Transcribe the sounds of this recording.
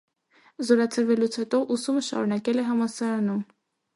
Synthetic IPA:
zɔɾɑt͡sʰəɾvɛlut͡sʰhɛt̪ɔʔusuməʃɑ̰ɾunɑkɛlɛɦɑmɑsɑɾɑnum

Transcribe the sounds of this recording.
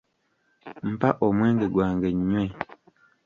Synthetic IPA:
m̩paʔɔmwɛ̃ŋɡeɡwaːŋɡeɲɲɛ̃

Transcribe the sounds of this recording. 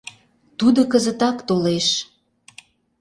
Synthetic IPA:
t̪ud̪okəzət̪ɑkt̪oleʃ

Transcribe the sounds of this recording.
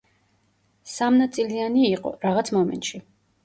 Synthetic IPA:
samnat̪sʼilianiːqʼɔ̰ɾaʁat̪sʰmɔmɛ̰nt̪ʼʃi

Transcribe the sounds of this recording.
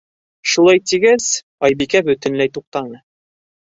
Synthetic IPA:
ʃulˠɑjt̪iɡæz | ɑjbikæbɵ̆t̪ɘ̆nlæjt̪uq̚t̪ɑnɤ

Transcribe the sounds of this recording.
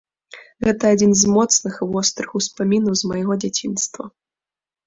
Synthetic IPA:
ɣɛt̪ɐad͡zʲinzmɔt̪snɨxvɔst̪ɾɨxuspamʲinɐwzmɐjɣɔd͡zʲat͡sʲinst̪vɐ̰

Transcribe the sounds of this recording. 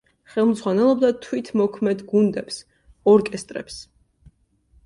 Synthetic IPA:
χɛlˠmzʁwanɛlˠɔbd̪at̪ʰwit̪ʰmɔkʰmɛd̪ɡund̪ɛps | ɔɾkʼɛst̪ʼɾɛ̰ps

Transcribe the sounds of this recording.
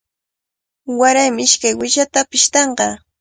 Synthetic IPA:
waɾajmɪɪʃkajwɪʃat̪apɪʃt̪ɑɴɢɑ

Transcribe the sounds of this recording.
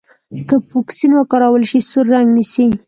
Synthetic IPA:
kəfuksinwəkɑɾawəlʃisuɾːaŋɡnisi

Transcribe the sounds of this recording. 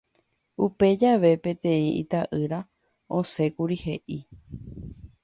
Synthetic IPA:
upe̞d͡ʒaʋe̞pẽ̞t̪ẽ̞ĩḭt̪aʔɨɾa | õse̞kuɾihe̞ʔi

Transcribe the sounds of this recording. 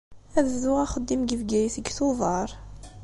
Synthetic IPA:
æðzuʁæχəd̪ːimɡəvɡæjθəɡθuðˤɑɾˤ

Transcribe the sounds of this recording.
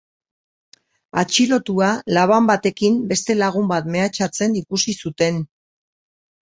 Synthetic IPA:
at͡ʃilo̞t̪ualaβ̞ambat̪e̞kimbe̞st̪e̞laɣ̞umbat̪me̞at͡ʃat͡se̞nikusisut̪e̞n

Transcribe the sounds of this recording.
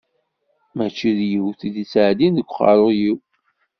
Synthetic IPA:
mæt͡ʃːiðjiwθid̪it͡sːʕd̪inðəɡʷχɑ̰ɾˤojiw

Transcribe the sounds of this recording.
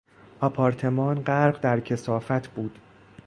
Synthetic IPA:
ʔɒpʰɒːɾt̪ʰe̞mɒːnɢæɾɢd̪æɾcʰe̞sɒːfæt̪ʰb̥uːd̪̥

